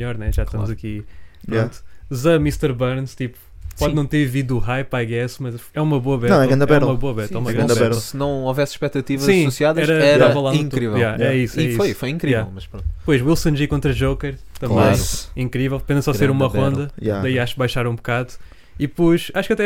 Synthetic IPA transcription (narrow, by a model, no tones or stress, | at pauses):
mʎɔɾnɛʒaʃt̪ɐmuzɐkipɾõnt̪u̥zɐmiʃt̪ɛɾβɐɾnʃt̪ipu̥ | pɔð̃nɐ̃w̃t̪eɾviðuuʁajpaɣɛsmɐzɛumɐβoɐβɛɾtɛɾɐ̃nɐβɛumɐβoɐβɛɾt̪ɛumɐɣɾɐ̃nd̪ɐɛβɛɾɐsɨnɐ̃w̃ovɛsʃpɛk̚t̪ɐt̪ivɐzsĩsusiaðɐɛɾɐɛavɐlˠaĩt̪uɾivɛjˠaɛisiɛisfojfojĩkɾijaɛlˠmɐʃpɾõnt̪pojʃwilˠsɐ̃nʒikõnt̪ɾɐʒowkɛɾ | t̪ɐ̃mbbɐ̃j̃ĩŋkɾivɛlˠd̪pẽd̪ɐsaseɾumɐʁõnd̪ɐjad̪ɐiaʃu̥k̚bajʃaɾũbukaðu | ipojʃaʃu̥kɐt̪ɛ